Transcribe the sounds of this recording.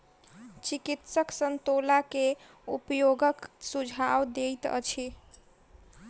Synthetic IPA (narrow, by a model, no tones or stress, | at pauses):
t͡ʃikit̪səksənt̪olake | ṵpjoɡəksud͡ʒʱawd̪ejt̪ə̰t͡ʃʰi